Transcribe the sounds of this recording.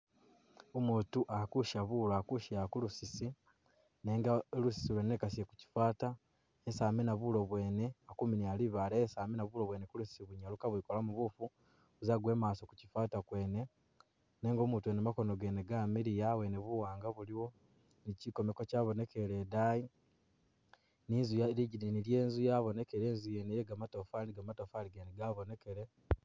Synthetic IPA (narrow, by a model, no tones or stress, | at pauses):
omuːtuʔakuʃaβulakuʃijakulusisi | neːŋɡalusi̥silwenekasijeku̥ci̥faːta | esaːminaβulo̞βwe̞ːne̞akuminialiβalesaːminaβuloβwe̞ːnekulusi̥siβuɲalukaβwikolamuβufu | uzaɡwe̞ːmaːso̞ku̥cifaːtakwe̞ːne̞ | neːŋɡo̞muːtuenemakono̞ɡe̞neɡamiɾijaweneβuwaːŋɡaβuliwo̞ | niciko̞mekocaːβo̞ne̞keɾe̞daji | niːnzujaɾiɟiɾinilje̞ːnzujaβo̞ne̞keɾeːnzujenejeɡamato̞faniɡamatofaliɡeneɡaβo̞ne̞keɾe